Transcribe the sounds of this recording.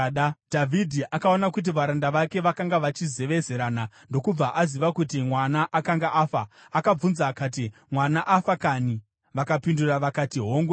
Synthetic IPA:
dʱavʱidʱiʔakao̞nakut̬iʋaɾandaʋake̞ʋakaŋɡaʋat͡ʃize̞ʋe̞ze̞ɾaːna | ndo̞kub͡vaʔaziʋakutimwanaʔakaŋɡaʔaːfa | akab͡vunzaːkaːt̬imwanaʔafakani | ʋakapinduraʋakatiɦoːŋɡwe

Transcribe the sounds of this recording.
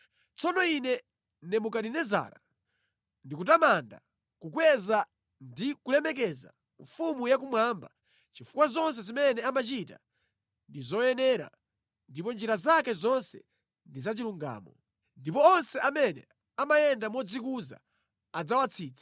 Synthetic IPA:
t͡sʰɔnɔinɛ | nɛmukaɗinɛza̰ːɾa | ndikutamanda̰ | kukwɛza | ndikulɛmɛk̬ɛza̰ | ɱfumujak̬umwaːmba | t͡ʃifukwazɔns̬ɛzimɛnɛamat͡ʃita | ndizɔjɛnɛɾa̰ | ndipɔnd͡ʒiɾazakɛzɔnsɛ̰ | ndizat͡ʃiluŋɡa̰ːmɔ | ndipɔːnsɛʔamɛnɛ̰ | amajɛndamɔd͡zik̬uza̰ː | d͡zawat͡sʰiːt͡sʰḁ

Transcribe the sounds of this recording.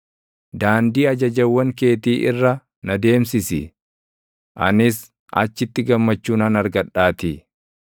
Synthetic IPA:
d̪aːnd̪iːɐd͡ʒɐd͡ʒɐwːɐŋke̞ːt̪iːʔɪrːɐ | nɐd̪e̞ːmsɪsɪ̰ | ʔɐ̰nɪs | ʔɐ̰t͡ʃːɪt̪ːɪɡɐmːɐt͡ʃːuːnɐnɐɾɡɐᶑːaːt̪i

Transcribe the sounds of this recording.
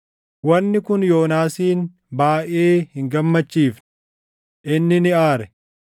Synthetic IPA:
wɐnːɪkʊnjo̞ːnaːsiːn | baːʔeːhɪŋɡɐmːɐt͡ʃːiːfn | ʔɪnːɪnɪaːɾɛ

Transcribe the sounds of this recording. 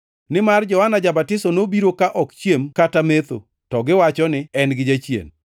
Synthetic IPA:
nɪmard͡ʒɔhanad͡ʒabatɪsɔnobiɾokaʔɔkt͡ʃjemkatamet̪o̰ | tɔɡɪwat͡ʃɔnɪɛnɡɪd͡ʒat͡ʃjḛn

